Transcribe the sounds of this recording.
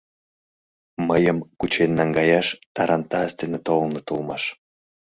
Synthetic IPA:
məjəmkut͡ɕenːɑŋɡɑjɑʃt̪ɑɾɑnt̪ɑəst̪enet̪olnot̪ulmɑʃ

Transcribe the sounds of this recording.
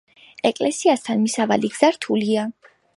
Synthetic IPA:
ɛkʼlɛsiast̪ʰanmisava̰liɡz̥aɾt̪ʰulia

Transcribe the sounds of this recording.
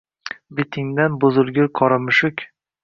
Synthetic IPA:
bɪt̪ʰɪŋd̪anbʊzɪlˠɡʲʊɾqʰɒɾɪmɪʃʊkʲ

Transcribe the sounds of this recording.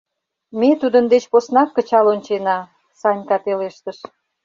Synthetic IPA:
met̪ud̪ənd̪et͡ɕposnɑkːə̆t͡ɕɑlonʲt͡ɕenɑ | sɑnʲkɑt̪eleʃt̪əʃ

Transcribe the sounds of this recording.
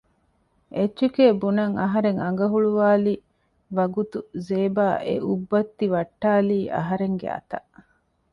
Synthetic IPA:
ʔetːt͡ʃukeːbunɐŋɐɦɐɾeŋɐŋ̆ɡɐɦuɭuʋaːli | ʋɐɡut̪uzeːbaːʔḛʔubːɐt̪ːiʋɐʈːaːliːʔɐ̰ɦɐɾeŋɡḛɐ̰t̪ɐʔ

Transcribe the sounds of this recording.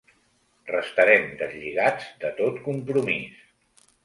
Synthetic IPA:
rəst̪əɾɛmd̪əzʎiɣad͡zd̪ət̪ot̪kumpɾumis

